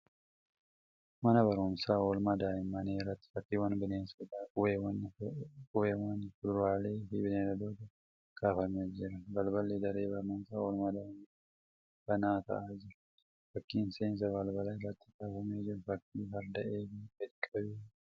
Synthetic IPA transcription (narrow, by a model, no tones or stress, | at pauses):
mɐnɐbɐɾʊmsaːɔlmɐd̪aːɪmːɐneːrːɐt̪ːɪ̥fɐkːiːwɐnbɪneːnsɪd̪aːʊwewnkʼʊweːwɐnːfʊd̪ʊɾaːle̞ːfɪbɪneːɾɐd̪oːt̪ɐ | kaːfɐmeːd͡ʒɪɾɐbɐlbɐlːeːd̪ɐɾe̞ːbɐɾnʊnsaːɔlmɐd̪aːɪ | b̥ɐnaːt̪ɐ̰ʔaːd͡ʒɪɾʊ̥ | fɐkːiːnseːns̬ɐbɐlbɐlɐɪrːɐt̪ːɪ̥kaːfɐme̞ːd͡ʒɪɾfɐkːiːɦɐɾd̪ɐʔe̞ːfikɛkʼːɐbeː